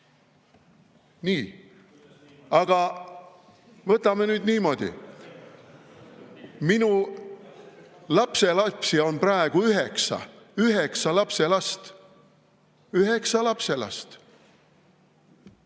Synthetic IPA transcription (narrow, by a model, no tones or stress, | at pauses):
niː | ɑɡ̥ɑ | vɤt̪ˑːɑme̞nyːd̪niːmo̞d̪̥ʲḭ | minu | lɑpse̞lɑpsio̞nprɑeɡ̥uyɦeksɑ̰ | yɦe̞ksɑlɑpse̞lɑst̪ | yɦe̞ksɑlɑpse̞lɑ̰st̪